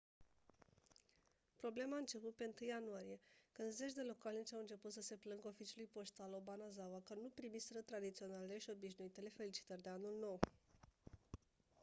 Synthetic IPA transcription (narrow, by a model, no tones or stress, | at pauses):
pɾo̞ble̞maːɨnt͡ʃe̞put̪̚pe̞ɨnt̪ɨjanuaɾije̞kɨnd̪ze̞t͡ʃd̪e̞lo̞kalniʃawɨnt͡ʃe̞put̪səse̞plɨŋɡəofit͡ʃulujpo̞ʃt̪alobanazawakənupɾimisɾət̪ɾad̪it̪sio̞naleleʃio̞biʃ̬nuit̪e̞le̞fe̞lit͡ʃi̥t̪ərʲd̪e̞anulno̞w